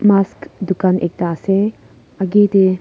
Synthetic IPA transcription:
maskd̪ukanḛk̚t̪ase | ɐɡet̪e

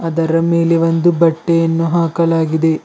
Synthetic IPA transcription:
ɐd̪ɐɾɐmeːleʋond̪ubɐʈːejɐnːuɦaːkɐlaːɡid̪e̞

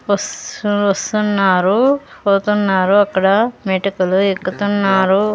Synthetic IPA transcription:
ɐsʋɐst̪unːaːɾupoːt̪unːaːɾuɐkːɐɽɐmeːʈikuluekːut̪unːaːɾu

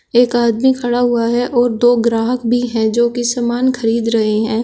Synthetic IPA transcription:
eːkaːd̪mikʰɐɽaɦʊaɦɛʔɔːɾd̪oːɡɾaːɦəkbʱiɦɛ̃d͡ʒoːkisaːmaːnxʰɐɾiːd̪ɾɐɦeɦɛ̃ː

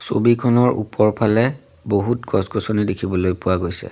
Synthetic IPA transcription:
so̰bikʰɔnɔɹʔṵpɔɹpʰalɛ | boɦutkɔskosonidekʰibɔlojpʊwaɡojsɛ̰

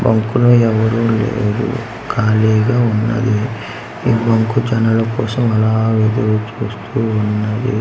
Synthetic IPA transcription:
bɐŋkuloːɛʋɐɾuːlḛːd̪ṵ | kaːlɛːɡaːunːɐ̰d̪i | iːbɐŋkud͡ʒɐnɐlɐkɔːsɐmɐlaːʋeːd̪ɐːt͡ʃuːst̪ʰuːunːɐd̪ḭ

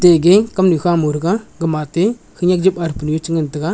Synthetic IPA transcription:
teɡekamnikamuɾɡaɡəmate | kɯɲak̚d͡ʒipaɾpunjot͡ʃiŋɡəntiɡa

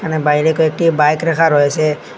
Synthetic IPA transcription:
kanɛbajɾekoek̚ʈibajkɾɛkʰaɾɔjsɛ

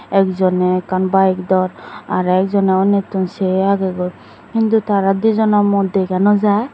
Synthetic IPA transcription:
ɛkzɔnɛkanbajɛk̚d̪ɔɾaɾɛk̚zɔnɛɔnet̪unseaɡeɡɔ | kint̪ut̪aɾad̪uzɔnɔmɔd̪ʱekanɔzaj

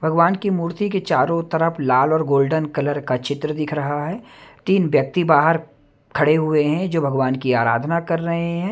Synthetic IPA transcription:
bʱɐɡʋaːnkimuːɾt̪iket͡ʃaːɾõt̪ɐɾəfʰlaːlɔːɾɡoːlɖənkɐləɾkat͡ʃɪt̪ɾəd̪ɪkʰɾɐɦaɦɛːt̪iːnʋjɐk̚t̪ibaːɦəɾ | kʰɐɽeɦʊeɦɛ̃d͡ʒoːbʱɐɡʋaːnkiaːɾa̰ːd̪ʱnakɐɾːɐɦeɦɛ̃ː

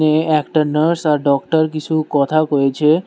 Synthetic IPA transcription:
eɛkʈaɾnəɾsaɾɖɔkʈəɾkit͡ɕʰukɔt̪ʰakɔet͡ɕʰe

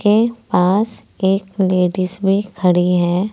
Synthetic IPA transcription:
epaːs | eːkleːɖɪsbʱikʰəɽiɦɛː

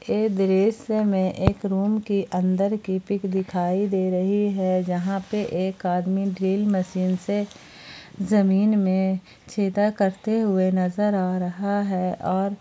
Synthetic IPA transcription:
eːd̪ɪɾeːsemẽʔeːkɾuːmkiʔə̃nd̪əɾkipɪkd̪ɪkʰaːid̪eːɾɐɦiɦɛd͡ʒɐɦãpeʔeːkaːd̪miɖɾiːlmɐʃiːnse | zɐmiːnmẽ | t͡ʃʰeːt̪akɐɾt̪eɦʊenɐzəɾaːɾɐɦaɦɛːʔɔːɾ

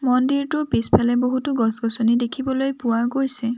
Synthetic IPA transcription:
mɔndiɹtʊɹpispʰalɛboɦutʊɡɔsɡɔsonidekʰibɔlojpʊwaɡojsɛ

